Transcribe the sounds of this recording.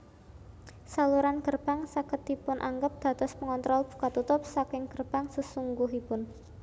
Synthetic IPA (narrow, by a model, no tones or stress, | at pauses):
saluɾanɡərb̥a̤ŋsakət̪ipʊnʔa̰ŋɡəp̚d̪̥ä̤t̪ɔsməŋɔnt̪ɾɔlb̥ṳ̥kat̪ːut̪ʊp̚sakɪŋɡ̥ərb̥a̤ŋsəsuŋɡuɦipʊn